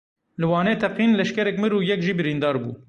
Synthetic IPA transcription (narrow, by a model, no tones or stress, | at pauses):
lɨwɑːneːt̪ʰɛqiːnlɛʃkɛɾɛkmɨɾuːjɛkʒiːbɨɾiːnd̪ɑːɾbṵː